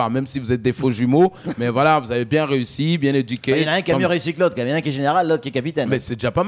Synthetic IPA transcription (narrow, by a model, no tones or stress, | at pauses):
aʁmɛmsivuzɛt̪̚d̪efoʒymomɛvwalavuzavebjɛ̃ʁeysibjɛ̃ned̪ykʲenaʁjɛ̃kamjøʁeysiklot̪χjaj̃nɛ̃kiɛʒeneʁalːot̪χkʲiɛkapit̪ɛnmɛsɛd̪eʒapam